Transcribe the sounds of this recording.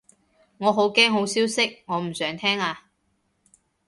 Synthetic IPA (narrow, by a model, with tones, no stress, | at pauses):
ŋɔː˨˧ɦo˨˥wkɛː˥ŋɦo˨˥wsiː˥wsɪ˥k̚ŋɔː˨˧m̩˨˩sœː˨˥ŋt̪ʰɛː˥ŋaː˧